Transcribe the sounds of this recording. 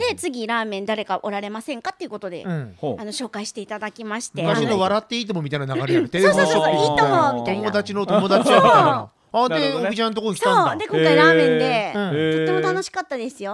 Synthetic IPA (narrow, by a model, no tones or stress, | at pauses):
d̪e̞t͡sɨɡʲiɾãːmẽ̞nd̪aɾe̞kaʔo̞ɾaɾe̞masẽ̞ŋkat̪ːe̞iɯ̟ko̞t̪o̞d̪e̞̰ɯ̃ano̞ɕo̞ːkaiɕi̥t̪e̞it̪ad̪akʲimaɕi̥tmeɯkaɕinoβaɾat̪ːe̞iːt̪omomʲit̪ainanaɡaɾeaɾɯt̪eeoɕopːiit̪oomʲit̪omod̪at͡ɕino̞t̪o̞mo̞d̪at͡ɕi | ad̪eoit͡ɕãnːot̪ooɲikitãd̪e̞koɾaːmẽ̞nd̪e̞ɯ̃to̞t̪ːe̞mot̪ano̞ɕi̥kat̪ːad̪e̞sɨjo̞